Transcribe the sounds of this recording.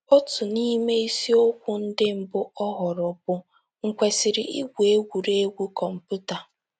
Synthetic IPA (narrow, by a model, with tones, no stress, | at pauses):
o˦tu˨ni˦me˦i˦si˦o˦kʷʊ˦n̩˦dɪ˦m̩˨bʊ˦ʔɔ˦ɦɔ˨ɾɔ˨p̚ʊ˦ | ŋ̩˨kʷe˨sɪ˨ɾɪ˨ʔi˦ɡʷu˨e˦ɡʷu˨ɾe˦ɡʷu˦kɔ˨m̩˨pu˦ta˨